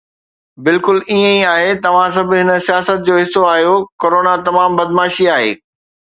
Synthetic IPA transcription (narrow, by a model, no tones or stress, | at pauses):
bɪlkʊliːə̃iaːɦet̪ɐʋ̤ãs̬ɐbʱɪɦɪnə̆sijaːsət̪̚d͡ʑoːɦɪsːoaːɦijokoːɾoːnat̪ɐmaːmbɐd̪maːʃiaːɦḛː